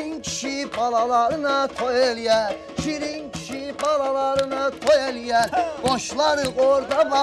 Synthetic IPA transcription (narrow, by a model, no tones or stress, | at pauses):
incʲʰi̥ʃibɑlˠɑlˠɑɾɯnɑt̪ʰojelijæɾ | ʃiɾincʰi̥ʃibɑlˠɑlˠɑɾɯnɑt̪ʰojelijæɾɡ̥oʃlˠɑɾɯɡoɾd̪ɑbɑ